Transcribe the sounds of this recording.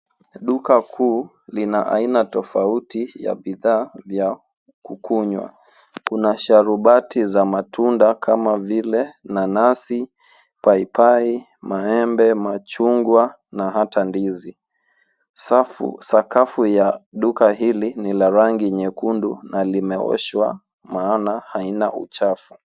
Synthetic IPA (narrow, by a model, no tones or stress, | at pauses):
ɗukakʰuː | linaʔa̰inatɔfautija̰ɓiðaːvja | kukʰuɲwa̰ | kunaʃaɾuɓatʰizamatʰundakʰamavilɛnanasi | paipai | maɛmbɛmat͡ʃuŋɡwa | naɦatandizi | safṵsakafujaɗukaɦilinilaɾaŋɡiɲɛkundunalimɛɔ̰ʃwa̰ | maːnahainaʔṵt͡ʃafu